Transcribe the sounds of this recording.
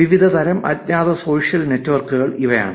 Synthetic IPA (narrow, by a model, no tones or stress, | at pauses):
ʋiʋid̪ʱɐd̪ʱɐɾɐmʔɐ̰t̪ɲaːd̪ɐso̞ːʂijɐlne̞tːʋɐrkːuɣɐɭiʋɐja̰ːɳɨ